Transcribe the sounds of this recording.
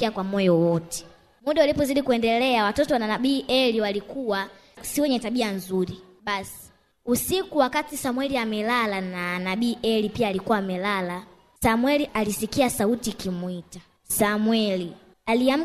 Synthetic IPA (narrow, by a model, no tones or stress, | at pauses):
iakwamɔjɔwɔtɛ̥ | muɗaulipɔziɗikuɛndɛlɛawatɔtɔwananaɓiːʔɛliwalikuwa | siwɛɲɛtaɓianzuɾi | ɓasi̥ | usikuwakatisamwɛliamɛlalananaɓiːʔɛlipiaːlikuwaːmɛlala | samwɛliʔalisikiasautikimuita | samwɛli | aliam̩